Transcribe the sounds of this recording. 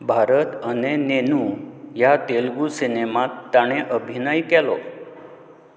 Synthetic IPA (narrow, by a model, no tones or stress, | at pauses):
bʱaɾət̪ənenenũjat̪elɡusinemat̪ːaɽ̃eʔəbʱinəjkɛlo̰